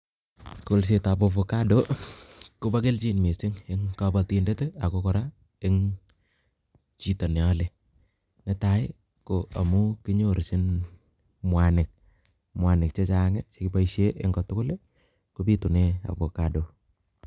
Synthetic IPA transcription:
kʊ˦˨ls̬e˨ta˨po˨fo˨ka˦do˦ | ku˦ba˦ke˦lt͡ʃi˦nme˨sɪ˦ŋɪ˦ŋka˦ba˨ti˨ndɛ˦te˦a˨ko˦kɔ˨ɾa˦ | ɪ˦ŋ | t͡ʃi˦to˨nɛ˨a˦le˨ | ne˨ta˨ɪ˦ | koa˨mu˦kɪ˦ɲo˨ɾsɪ˦n | mwa˨nɪ˨k̚ | mwa˨nɪ˨kt͡ʃe˦t͡ʃa˨ŋɛ˦t͡ʃekɪ˦pa˦iʃe˦ʔe˦ŋɡɔ˨tʊ˦kʊ˦le˦ | ku˦pi˦tu˨ne˦a̰˨po˨ka˦do˨

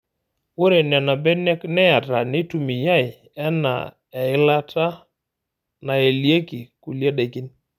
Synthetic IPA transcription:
o˦ɾe˨nɛ˨na˨bɛ˦nɛ˦knɛ˦a˨ta˨ne˦tu˨mi˨ja˦˨ɪ˨ | ɛ˦na̰˨ | ɛ˨ɪ˦la˦ta˦ | na˨e˨lje˦ki˨ku˨lje˦ɗe˨ki˦n

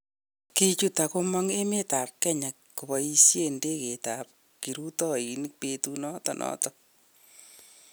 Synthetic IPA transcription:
ki˦t͡ʃuta˨ko˦mɔ˦ŋe˦me˦ta˨ɾkɛ˦ɲa˨kku˨βɔ˨i˦sje˦˨nde˦ke˨ta˨p̚ | ki˨ɾu˦tɔ˦i˨nik̚petunɔ˦tɔ˨nʔɔ̰˦tɔ

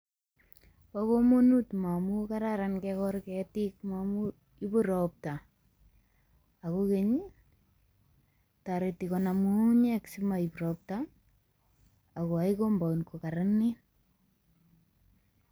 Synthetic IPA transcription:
pako˦mo˦nu˦tma˨mu˦kaɾaɾankɛkɔɾkɛti˦kmamu | i˦bʊ˦ɾɔp̚ta˨ | ko˦ke˦ɲ | taɾeti˨kɔna˨mu˦ɲɛ˦ksi˦ma˨i˨pɾɔp̚ta˨ | ko˨a˨iko˦mba˨unko˨kaɾanːi˦

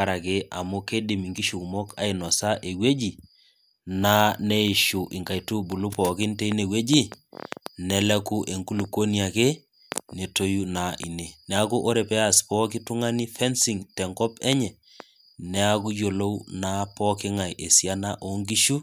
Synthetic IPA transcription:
a˦ɾa˨ke˦ʔa̰˨mu˦ke˦di˨mi˨ŋɡi˦ʃu˨ku˨mɔ˦kʰa̰˨ɪ˨nɔ˨sa˦ʔe˨we˦d͡ʒi˨ | na˦ne˦i˨ʃu˨ʔɪ˨ŋka˨jtu˦bu˨lu˦pɔ˨kɪ˦nte˦i˦ne˨we˦d͡ʒi˦ | nɛ˨lɛ˦ku˦ʔe˨ŋku˦lu˨ko˦nia˨ke˦ | ne˨to˦ju˦na˨ʔḭ˨ne˨nɛ˨a˦ku˦ʔo˦ɾɛ˨pɛ˦aspɔ˦k̬ɪ˦tu˦ŋa˦ni˦fɛ˦nsi˨ŋtɛ˨ŋɡɔ˦pɛ˦ɲɛ˨ | nɛ˦a˦k̬u˦jo˨lo˦wna˦pɔ˦kɪ˦ŋa˨jʔe˨sja˦na˦ʔo˨ŋɡi˦ʃu˦

